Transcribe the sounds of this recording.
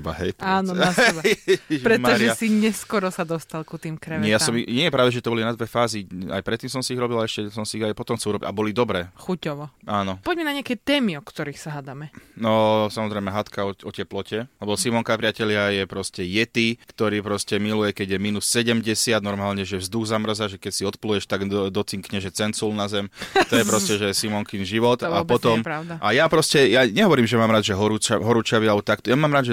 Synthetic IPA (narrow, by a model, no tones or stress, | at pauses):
ba̰ɦɛ̰jt̪aːnɔɛ | pɾɛmɔɾʒiɛasiɲɛskɔɾɔsad̪ɔst̪alkut̪iːmkɾɛʋɲɛjasɔmiɲɛjɛpɾaʊd̪aʒɛt̪ɔbɔlinad̪ʋɛfaːzia̰jpɾɛt̪ːiːmsɔmsiiɣɾɔbilaɛʃcɛsɔmsiiajpɔt̪ɔmxtsiuɾɔbiabɔlid̪ɔbɾɛːxucɔʋɔaːnɔpɔɟmɛnaɲɪakɛjt̪ɛːmiɔkt̪ɔɾixsaɦad̪amɛnɔsamɔzɾɛɪmɛɦat̪kaɔɔcɛplɔcɛlɛbɔsimɔŋkapɾɪacɛʎɪajɛpɾɔscɛjɛt̪ikt̪ɔɾiːpɾɔscɛmilujɛkɛɟjɛmiːnusːɛɟɛmɟɛsɪad̪nɔɾmaːlɲɛʒɛvzd̪uɣzamr̩zaʒɛkɛcsiɔt̪plujɛʃt̪aɡd̪ɔt͡siŋkɲɛʒɛt͡sɛnt͡sulnazɛmt̪ɔjɛpɾɔscɛʒɛsimɔŋkinʒiʋɔt̪apɔt̪ɔmɾaʊd̪aʔajapɾɔscɛjaɲɛɦɔʋɔɾiːmʒɛmaːmɾaːd̪ʒɛɦɔɾut͡ʃaɦɔɾut͡ʃaʋialɛbɔt̪akt̪ɔjamaːmɾaːd̪ʒɛ